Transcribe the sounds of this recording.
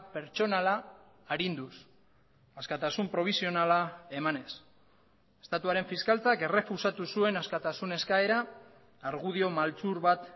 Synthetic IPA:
pe̞ɾt͡ʃo̞nalaː | ɾind̪us | askat̪asumpɾo̞β̞isio̞nalae̞mane̞s | est̪at̪uaɾe̞ɱfiskalt͡sake̞re̞fusat̪usue̞naskat̪asune̞skae̞ɾaː | ɾɣuð̞io̞malt͡suɾβat̪

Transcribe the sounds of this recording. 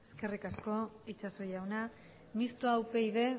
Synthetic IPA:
eske̞rikasko̞it͡ʃaso̞jawna | mist̪oawpe̞iðe̞

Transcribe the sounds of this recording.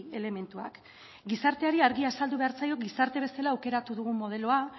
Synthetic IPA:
e̞le̞me̞nt̪ua̰k | ɡisaɾt̪e̞aɾiaɾɣiasald̪uβe̞aɾt͡sajo̞ɡisaɾt̪e̞β̞e̞selaːwke̞ɾat̪uðuɣ̞umːo̞ðe̞lo̞a

